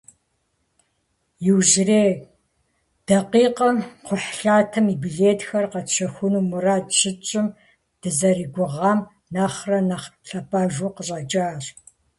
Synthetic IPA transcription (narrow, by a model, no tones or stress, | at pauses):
jɪwʒreː | d̥ɐqiːqɐmqʷʊħɬaːtʰɐmibiɮeːtʰxɐrqɐt͡ʃɐxʷʊnuːmuraːdɕɪt͡ʃʼɪm | d̥ɨzɐriɡʷʊʁɑːm | naːχrɐnaχɬɐpʰʼaːʒuːqəɕʼɐt͡ʃʼaːr